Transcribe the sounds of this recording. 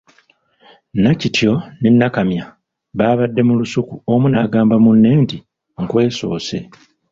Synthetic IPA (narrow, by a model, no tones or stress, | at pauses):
nacitʰjo̞ninːakamja | βaːβadːe̞mulusukuomunaːɡaːmbamunːe̞ːnti | ŋ̩kwe̞ːso̞ːse̞